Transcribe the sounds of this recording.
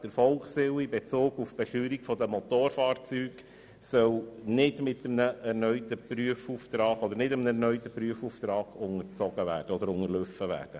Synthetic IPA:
d̥əɾfɔlksɪwibet͡soːɡufb̥ɛʃyːɾikfɔd̪əmɔt̪oːɾfɑːɾt͡syːɡ | sœlnɪdmɪtəmnəɛɾnœʏt̪əpryəfuːft̪ɾɑːɡ̥ɔd̪əɾnɪdəmnɛrnœʏt̪əpɾyəfuːft̪ɾɑːɡʊŋəɾt͡sɔɡ̥əʋæ̰ːɾd̥əɔdəɾʊŋəɾløfəvæ̰ːɾd̥ə

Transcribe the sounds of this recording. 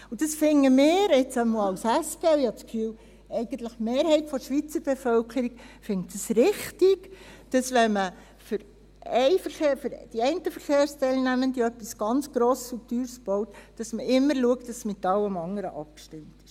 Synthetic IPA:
ud̥ɑsfɪŋːəmɪːɾɪt͡səmoɑwsæsɡ̥œɪhɑt͡skfyːl | ɛɪɡ̥ən̩tləχmeːɾhɛɪtfɔʃʋit͡səb̥efœlkʰəɾikfɪŋtdəsɾɪχtɪɡd̥ɑsʋɛnmə | fʏɾ | ɛɪfəɾχeːføɾd̥iɛɪntəfəɾχeːɾstɛɪlnæməndiœpːisɡ̥ɑnt͡sɡ̥ɾɔːssutyːɾsb̥ɔwtd̥ɑsməʔɪmːəɾluək̚td̥ɑsmɪtːɑlːəmɑŋəɾəʔɑp̚kʃtɪmtɪ̥ʃ

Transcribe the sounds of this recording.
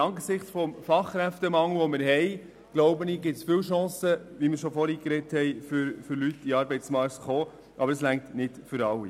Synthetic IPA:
ɑŋɡəsɪχt͡sfɔmfɑχkɾæft̪əmɑŋl̩ʋɔmɪɾɦɛɪ | ɡ̥loʊbəniːɡɪtsfɪwʃɑ̃ːsəʋimɪɾʃɔfɔɾiːkɾɛthɛɪfʏɾfʏɾlytːiɑːɾbɛɪt͡smɑɾktχoː | ʔɑ̰bəɾəslæŋktnɪtfʏɾɑwːḭ

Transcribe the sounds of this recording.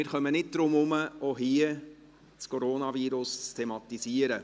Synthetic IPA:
mɪːɾχœmənɪt̚d̪̥ɾʊmʊməoɦiə | t͡skʰoɾoːnɑviːɾʊst͡stʰemɑt̪isiəɾə

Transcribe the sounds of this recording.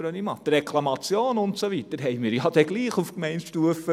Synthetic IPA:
ɾønimɑd̥̪rɛkʰlˠɑmɑt͡sjoːnʊntsovitəɾɦɛɪmɪːɾjɑd̥ɛɡ̥liːχufkmɛɪntʃtuəfə

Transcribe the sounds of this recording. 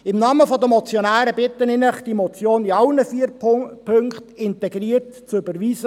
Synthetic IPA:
ɪmnɑːməfɔd̪əmɔt͡sjɔnæːɾəbɪt̪ːənɪnəχd̥imɔt͡sjoːniɑlnəfipʰøŋkχtɪntɛɡriːəɾt | t͡sʏbəɾviːsə

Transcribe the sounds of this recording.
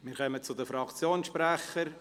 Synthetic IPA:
mɪːɾkœmət͡sʊd̪əfɾɑkt͡sjoːnʃpɾæχəɾ

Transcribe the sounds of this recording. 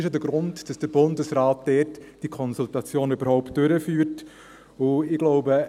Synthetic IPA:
ɪʃədəɡɾʊndd̥ɑsd̥əbʊndəsraːt̚d̥ɛːrtd̥ikʰɔnsultɑt͡sjoːnøbəɾhɔʊpt̚d̥øɾəfyːɾt | ʊɪɡ̥lɔʊbə

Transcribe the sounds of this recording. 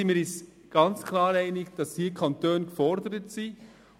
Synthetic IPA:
inmiːɾɪs | ɡ̥ɑnt͡skʰlɑːɾɛɪnɪɡd̥ɑshiːkʰɑntøːnkfɔɾdəɾətsiː

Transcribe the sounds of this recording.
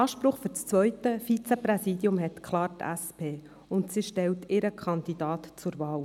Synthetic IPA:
ɑːʃpɾʊχfʏɾt͡st͡sʋœʏtəfit͡sɛpɾɛsiːdjʊmɦɛtkʰlɑːɾtæ̰spʰeː | ʊntsiʃtɛltɪɾəkʰɑnd̪id̥ɑːtt͡sʊɾvɑːl

